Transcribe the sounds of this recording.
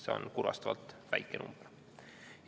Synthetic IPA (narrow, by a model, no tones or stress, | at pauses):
seo̰nkuɾɑ̰st̪ɑvɑ̰lt̪væjkːˑenʔṵmb̥r | j